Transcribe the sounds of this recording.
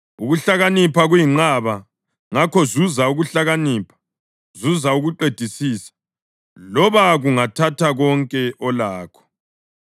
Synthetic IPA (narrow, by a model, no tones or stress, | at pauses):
uɣuɬaɣanipʰaɣwjiŋ͡ǁaβa | ŋakʰɔzuzauɣuɬaɣaniːpʰḁ | zuzauɣuǃed̥ʱisiːsḁ | lɔβaɣuŋatʰatʰaɣɔŋkʼɛʔɔlaːkʰɔ̥